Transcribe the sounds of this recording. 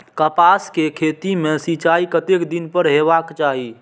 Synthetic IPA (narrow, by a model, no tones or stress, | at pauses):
kəpaskekʰet̪imesit͡ʃaikət̪ekd̪inpəɾɦeβakt͡ʃaɦi